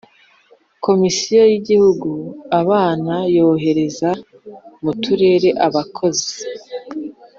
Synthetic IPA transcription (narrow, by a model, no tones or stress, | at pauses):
kʰo̞misijo̞jiɟihuɡuaβaːnajo̞ːɦe̞ɾe̞za | mutuɾe̞ːɾe̞ʔaβakʰo̞zi